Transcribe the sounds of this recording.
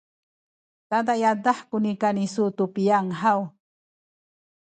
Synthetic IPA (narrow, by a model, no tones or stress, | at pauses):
t̪ad̪ajad̪aħkʊnikanisut̪upijaŋɦaw